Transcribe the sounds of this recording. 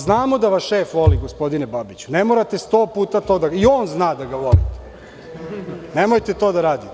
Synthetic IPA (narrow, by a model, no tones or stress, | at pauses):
znaːmo̞d̪aʋasʃeːfʋo̞liɡospo̞d̪inebabit͡ɕu̥nemo̞ɾat̪e̞st̪oːpuːt̪at̪o̞ːd̪aio̞ːnznaːd̪aɡaʋo̞lḭt̪e̥ | nemojt̪et̪o̞ːd̪aɾaːd̪it̪